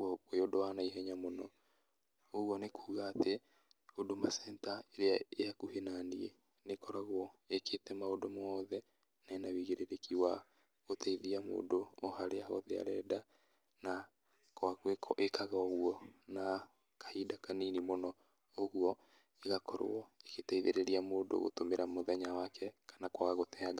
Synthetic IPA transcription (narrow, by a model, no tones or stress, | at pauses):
kwejodowanaiɦɛɲamonɔ̰ | oɣwɔnekʰuːɣaːte | odomasɛntaeɾeaeakuhenaniɛ | nekɔɾaɣwɔeketɛmaodomɔːðɛ | naenawiɣeɾeɾekʰiwa | otʰɛiðiamo̰ːdoɔhaɾeahɔðea̰ɾɛda | na | kwaɣekʔekaɣaɣuɔna | kḁhidakaninimonɔ | oɣuɔ | eɣakʰɔɾo̰ɔeketaiðeɾeɾiamoːdo̰ɣo̰tomeɾamoðɛɲawakʰɛkʰḁnakwaɣotɛaɣa